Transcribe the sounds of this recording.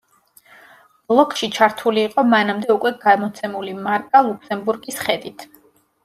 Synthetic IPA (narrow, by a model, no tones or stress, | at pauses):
b̥lˠɔkʰʼʃit͡ʃʰaɾt̪ʰuliːqʼɔmanamd̪ɛukʼwɛɡamɔt̪sʰɛmulimaɾkʼalˠukʰsɛmbuɾɡisχɛd̪it̪ʰ